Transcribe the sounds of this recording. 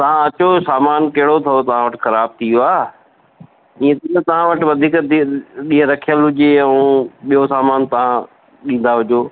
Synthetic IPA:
t̪ɐʋ̤ãɐt͡ɕosaːmaːnkɐɦɪɽot̪ʰɐot̪ɐʋ̤ãʋɐʈxɐɾaːb̚t̪ʰijoaː | ĩːẽt̪ːnət̪ɐʋ̤ãʋɐʈʋɐd̪ʱiːk̪ɗiːɦə̃ɾɐkʰijəlɦʊd͡ʑeɛ̃ũɓijosaːmaːnt̪ɐʋ̤ã | ɗĩːn̆d̪aɦʊd͡ʑoː

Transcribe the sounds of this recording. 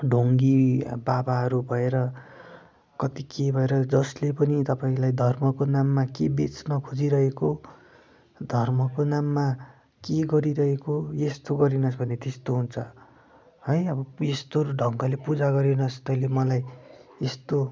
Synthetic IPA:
ɖʱoŋɡibabaɦʌɾubʱʌeɾʌ | kʌt̪ikʰebʱʌeɾʌd͡zʌslepʌnit̪ʌpaĩlajd̪ʱʌrmʌkonamːakebet͡snʌkʰod͡ziɾʌɦeko | d̪ʱʌrmʌkonamːa | keɡʌɾiɾʌɦekojest̪oɡʌɾinʌsbʱʌnet̪est̪oɦunt͡sʰʌ | ɦʌjʌbʌjest̪oɖʱʌŋkʌlepud͡zaɡʌɾinʌst̪ʌĩlemʌlajest̪o

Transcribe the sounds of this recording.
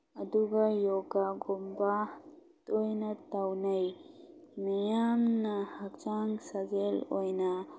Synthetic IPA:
ɐduɡajɔɡaɡɔmbatɔjnatawnaj | nɐjamnahak̚t͡ʃaŋsaɡelɔjna

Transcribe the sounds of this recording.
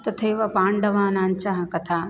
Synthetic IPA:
t̪ɐt̪ʰeːʋɐpaːɳɖɐʋaːnaːnt͡ʃɐɦɐkɐt̪ʰaː

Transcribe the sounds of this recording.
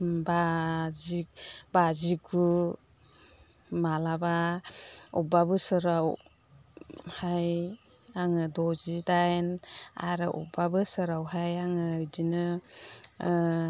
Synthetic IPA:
bazibaziɡu | malaba | ɔbabɯsɯɾaw | haj | aŋɯdɔzidajna̰ɾɯʔɔ̰babɯsɯɾawɦajaŋɯdinɯ

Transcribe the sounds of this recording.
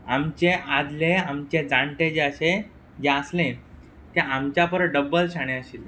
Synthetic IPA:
amt͡ɕead͡zleamt͡ɕed͡zaɳʈed͡ʑəɕe | d͡ʑeəslẽ | t̪eamt͡ɕjapəɾəɖəbːəlɕaɽ̃ẽəɕiːl

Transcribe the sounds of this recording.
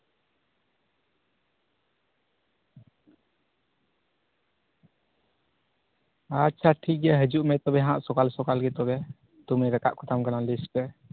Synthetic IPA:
atːt͡ʃʰaʈʰik̚ɡɛɦəd͡ʒuʔmɛt̪ɔbɛɦããʔsɔkalsɔkalɡɛt̪ɔbɛ | t̪umiɾɛka̰ʔkʰɔt̪ʰamkanalispɛ

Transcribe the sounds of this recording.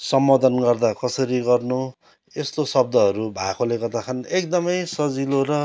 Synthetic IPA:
sʌmːʌd̪ʌnɡʌrd̪akʌsʌɾiɡʌrnu | est̪osʌb̚d̪ʌʌɾubʱakolekʌt̪akʰʌnek̚d̪ʌmʌjsʌd͡ziloɾʌ

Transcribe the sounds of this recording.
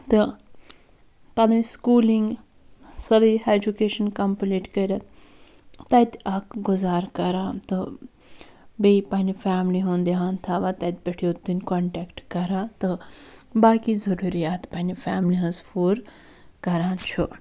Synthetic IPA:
t̪ɨ | pɐlɐnskuːliŋɡ | sɐlied͡ʒukeːʃɐnkɐmpliːʈkɐɾʲɐt̪ | t̪ɐt̪ʲakɡuzaːɾkɐɾat̪ɨ | bejpɐnifaːmliɦõːnd̪iɦãːnt̪ʰaːʋat̪ɐt̪̚ʲbɐʈʰijot̪ːɨnʲkoɳʈɛːkʈkɐɾaːt̪ɨbaːkizɐɾuɾijaːt̪pɐnifaːmliɦɐ̃sfuːɾ | kɐɾãːt͡ʃʰu

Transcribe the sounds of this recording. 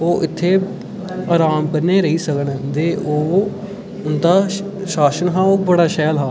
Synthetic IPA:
oːʔɪt̪ʰːeː | aːɾaːmkəɾnːeːɾəɦiːsəkənd̪eːʔoː | ʊnd̪aː | ʃaːsənɦãːoːbəɽaːʃɛːlɦaː

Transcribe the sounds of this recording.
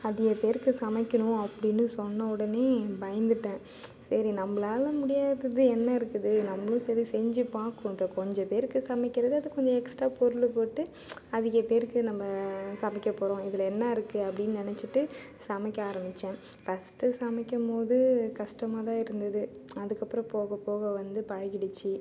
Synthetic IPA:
ɐðɪɣɐpeːɾɯkːɯsɐmɐkʲːɐnʊ̃ɐpːɐɽɪnːɯsɔnːɐɔɽɐneːbɐjɐnd̪ɯʈːẽː | sɐɾinɐmːɐɭaːlɐmʊɽɪjaːðɐðɯɛnːɐɪɾɯkːɯðɯnɐmːɐɭʊ̃sɛɾisɛɲd͡ʒɯpaːkʊʈːɐkɔɲd͡ʒɐ̃peːɾɯkːɯsɐmɪkːɪɾɐðɯɐðɯkɔɲd͡ʒɐɛksʈaːpɔɾɯlɯpoːʈːɯ | ɐðɪɣɐpeːɾɯkːɯnɐmːɐsɐmɪkʲːɐpːoːɾõɪðɪlɐɛnːɐːɪɾɯkːɯɐpːɐɽɪnnɪnɛt͡ʃːɯʈːɯ | sɐmɐkʲːɐaːɾɐmbɪt͡ʃːẽː | fɐsʈɯsɐmɐkʲːɐmpoːðɯkɐʂʈɐmaːt̪ãːɪɾɯnd̪ɐðɯɐðɯkːɐpːɯɾɐ̃poːɣɐpːoːɣɐʋɐnd̪ɯpɐɻɐɣɪɽɪt͡ʃːɯ

